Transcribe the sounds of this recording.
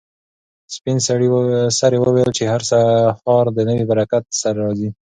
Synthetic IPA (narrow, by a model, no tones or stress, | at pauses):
spinsaɽisaɾewəwejəlt͡ʃehaɾsaxɑɾd̪ənəwibaɾakat̪̚saɾaɾɑzi